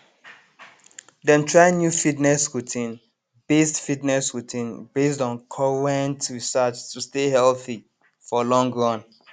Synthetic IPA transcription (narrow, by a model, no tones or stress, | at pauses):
dɛ̃mtʰɹaɪ̃njufidnɛskutʰĩn | bestfidnɛsɹutʰĩnbes̬tɔ̃nkʰɔɹɛ̃ntɹisat͡ʃstʰustehɛlθi | fɔlɔ̃ŋɡɹɔ̃n